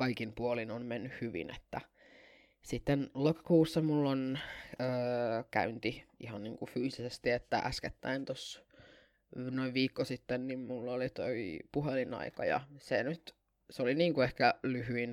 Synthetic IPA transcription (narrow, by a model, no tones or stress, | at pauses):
kɑikimpuolinonmenːyhhyʋḭnḛt̪ːæ | sit̪ːenlokɑ̥kuːsːɑmulːonøːkæ̰ynt̪iihɑnniːŋkufyːsisest̪iet̪ːæ̰ʔæsket̪ːæ̰int̪os | noiʋʋiːkːosit̪ːennimmulːolit̪oipuɦelinɑ̰ikɑ̰jɑ̰senyt̪ | soliniːŋkuehkælyɦyin